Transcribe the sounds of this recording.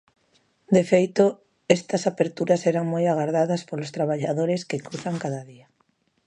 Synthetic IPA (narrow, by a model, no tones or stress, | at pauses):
d̪efejt̪o | ɛst̪ɐsapeɾt̪uɾasɛɾaŋmojaɣaɾðaðɐspolost̪ɾaβaʎaðoɾɪskɪkɾuθaŋkaðɐðia